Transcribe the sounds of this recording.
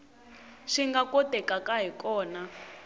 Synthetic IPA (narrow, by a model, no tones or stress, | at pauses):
ʂiŋɡakʼotɛkʼakʼaɦikʼɔːna